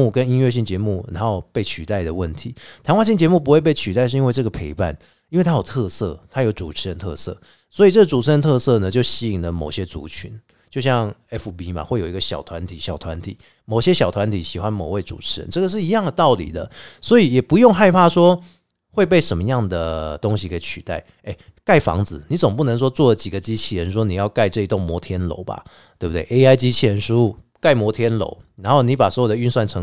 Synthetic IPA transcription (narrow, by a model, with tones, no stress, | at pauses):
u˥˩kə˦ni˥nɥɛ˥˧ɕ̬i˥˩ŋt͡ɕjɛ˧˥mu˥˩ɻa̰˧˦nxo˥˩˧ʊpe˥˩ɪt͡ɕʰy˨˩t̪a˥˩ɪd̪ə˩wə̰˥˨˩nt̪ʰi˨˦t̪ʰa˧˥nŋwa˥˧nɕ̬i˥˩ŋt͡ɕjɛ˧˥mu˥˩p̬u˦xwe˥˧ɪp̬e˥˩ɪt͡ɕʰy˨t̪a˥˧ɪʂ̩˥˧i˥nwʈ͡ʂɤ˥˩ɡə˩pʰe˧˥ɪpa̰˥˩n | i˥nwe˥˩t̪ʰa˥jo˨˩ʊt̪ʰɤ˥˧sɤ̰˥˩t̪ʰa˥jo˧˥ʊt͡su˨˩ʈ͡ʂʰɻ̩˧˥ɻə˧˦nt̪ʰɤ̰˥˧sɤ̰˥˩ | swɔ˧˥i˨˩ʈ͡ʂɤ˥˩ɡə˩t͡su˨˩ʈ͡ʂ̩ʰ˧˥ə˧˥nt̪ʰɤ˥˧sɤ˥˧˩nə˨t͡ɕjo˥˩ʊɕi˥i˨˩ŋlə˦mo̰˨˩ʊɕjɛ˦˥t͡sṵ˧˥t͡ɕʰy̰˧˥n | t͡ɕjo˥˧ʊɕjɑ˥˩ŋɛ˦˥fu˥˩bi˥ma̰˨xwe˥˩ɪjo˨˩i˦ɡə˧ɕjɑ˨˩ʊt̪ʰwa˧˦nt̪ʰi˨˦ɕjɑ˨˩ʊt̪ʰwa˧˦nt̪ʰḭ˨˩˦ | mo˨˩ʊɕjɛ˦˥ɕjɑ˨˩t̪ʰwa˧˦nt̪ʰi˨˩ɕi˨˩xwa˦nmo˨˩ʊwe˥˩ɪt͡sṵ˨˩ʈ͡ʂ̩ʰ˨˥˩ə̰˧˦nʈ͡ʂɤ˥˩ɡə˨˩ʂ̬ɻ̩˥˩i˧˥jɑ˥˩ŋd̪ə˨˩t̪ɑ˥˩ʊlḭ˨˩d̪ə̰˦swɔ˧˥i˨˩jɛ˨˩pu˧˥jʊ˥˧ŋxa˥˧ɪpʰa˥˧ʂwɔ˥ | xwe˥˧ɪp̬e˥˩ɪʂə˧˥mə˧jɑ˥˩ŋd̪ə˩t̪o˥ŋɕi˨kʰe˧˥ɪt͡ɕʰy˨˩t̪a̰˥˩ɪ | e˥˩ɪka˥˩ɪfɑ̰˧˥ŋd͡zɹ̩˨ni˧˥t͡so˨˩ŋp̬u˥˩nə˧˥ŋʂ̬wɔ˥t͡swɔ˥˩d̪ə˩t͡ɕi˨˩ɡə˩˦t͡ɕi˥t͡ɕʰi˥˩ɻə˧˦nʂ̬wɔ˥ni˨˩jɑ˥˧ʊka˥˧ɪʈ͡ʂɤ˥˧i˧t̪o˥˩ŋmwɔ˧˥t̪ʰjɛ˥nlo̰˧˥ʊba̰˨ | t̪we˥˩bu˨t̪we˥˩ɪʔe˥ɪa˥ɪt͡ɕi˥t͡ɕʰi˥˨˩ɻə˧˥nʂu˥ | ka˥˩ɪmwɔ˧˥t̪ʰjɛ˥nlo̰˧˥ʊ | na˧˥nxo˥˩ʊni˧˥pa˨˩swɔ˧˥jo˨˩d̪ə˧y˥˧nswa˥˩nʈ͡ʂʰɤ˧˥